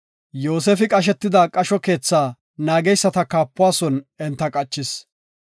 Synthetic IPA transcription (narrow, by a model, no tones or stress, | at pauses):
joːs̬eːfɪkʼɐʃ̬ɛt̪ːɪd̪ɐkʼɐʃɔke̞ːt͡sːaː | naːɡɛjsːɐt̪ɐkaːpːʊwaːsɔnɛnt̪ːɐkʼɐt͡ʃːɪs